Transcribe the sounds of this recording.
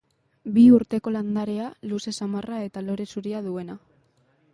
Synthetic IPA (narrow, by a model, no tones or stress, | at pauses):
biuɾt̪e̞ko̞land̪aɾealuse̞samarae̞t̪alo̞ɾe̞suɾiaðue̞na